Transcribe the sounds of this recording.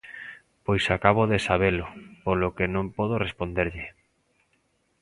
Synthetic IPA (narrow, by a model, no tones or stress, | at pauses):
pojsakaβoðesaβ̞elʊpolokenõmpɔð̞orespond̪eɾʎɪ